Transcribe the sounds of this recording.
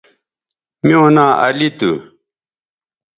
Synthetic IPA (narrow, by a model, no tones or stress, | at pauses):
mjoːnaːɐlit̪ṵ